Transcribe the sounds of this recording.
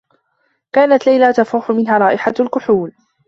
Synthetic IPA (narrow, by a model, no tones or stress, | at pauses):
kaːnat̪lajlat̪afuːħʊmɪnɦaɾˤɑːʔɪħalkʊħuːl